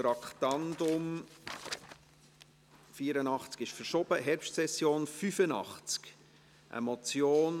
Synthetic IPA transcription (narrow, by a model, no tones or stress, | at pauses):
tɾɑkt̪ɑndʊm | fiːəɾənɑχt͡skɪʃfəɾʃɔb̥əɦɛɾpʃtsɛsːjoːnfyfənɑ̰χt͡sk | ʔə̰mɔt͡sjoːn